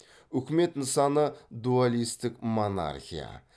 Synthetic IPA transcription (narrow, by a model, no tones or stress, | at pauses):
ʏkʲɪme̞t̪nəsɑnəd̪ualijst̪ɪkmo̞na̰rxʲija̰